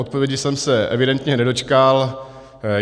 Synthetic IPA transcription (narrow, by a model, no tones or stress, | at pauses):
ot̪̚povjɛɟɪsɛmsɛʔɛ̰vɪdɛnt̪ɲɛnɛdo̞t͡ʃkal